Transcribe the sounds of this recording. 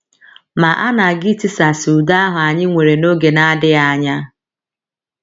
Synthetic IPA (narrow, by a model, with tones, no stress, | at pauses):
ma˨ʔa˦na˨ɡɪ˦ti˦sa˨sɪ˨u˨da˦a˦ɦʊ˨a˨ɲɪ˦ŋʷe˨ɾe˨no˦ɡe˨na˦dɪ˦a˨ɲa˦